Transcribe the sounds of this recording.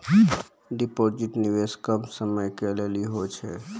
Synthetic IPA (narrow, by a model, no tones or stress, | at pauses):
ɖipoɾd͡ʒiʈniʋeskəmsəməjkeleliɦot͡ʃʰe